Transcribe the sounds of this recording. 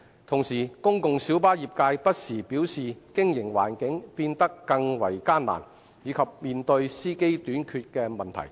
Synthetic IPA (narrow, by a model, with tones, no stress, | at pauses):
t̪ʰʊ˨˩ŋsiː˨˩kʊ˥ŋkʊ˨ŋsi˨˥wpaː˥jiː˨p̚kaː˧jpɐ˥t̚siː˨˩piː˨˥wsiː˨kɪ˥ŋjɪ˨˩ŋwa̰ː˨˩nkɪ˨˥ŋpiː˧nt̪ɐ˥kːɐ˧ŋwɐ̰˨˩jkaː˥nla̰ː˨˩n | jiː˨˧kʰɐ˨p̚miː˨˧nt̪ɵ˧ɥsiː˥ke˥jt̪yː˨˥nkʰyː˧t̚kɛː˧mɐ˨nt̪ʰɐ̰˨˩j